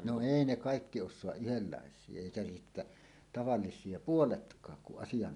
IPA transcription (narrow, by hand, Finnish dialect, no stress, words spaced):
no eˑi ne kɑˑikːi oʃsoɑʔ ʔyhelːɑˑesˑie eˑikæ sitːæ tɑʋɑlːisˑie puoletkˑɑːk kuʔ ʔɑsijɑn